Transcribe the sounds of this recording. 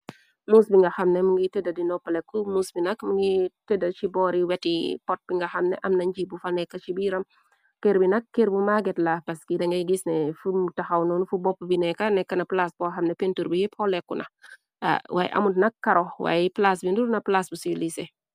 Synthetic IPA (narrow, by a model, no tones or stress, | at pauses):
muːsbiŋɡɐxɐmnɛmuŋɡitedɐdinɔpːɐlɛkːumuːsbinɐkmuŋɡitedɐt͡ʃibɔːɾiwɛtipɔt̚b̥iŋɡɐxɐmnɛ̰ʔɐmnɐɲd͡ʒiːbufɐnɛkːɐt͡ʃibiːɾɐm | keɾbinɐkːeɾbumaɡɛtlapɐskidɐŋɡɐɡisnɛfumtɐxɐwnɔnufubɔpːbinɛkːɐnɛkːɐnɐplasbɔxɐmnɛpentuɾbihipʰɔlɛkːunɐ̰ | a̰wa̰ːj̰ʔɐ̰mutnɐkːɐɾɔwa̰ːjplasbindunɐplasbusiilisɛ